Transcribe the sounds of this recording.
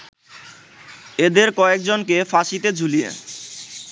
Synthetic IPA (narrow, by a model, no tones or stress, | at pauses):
ed̪eɾkɔek̚d͡ʑonkefaʃit̪ed͡ʑʱulijḛ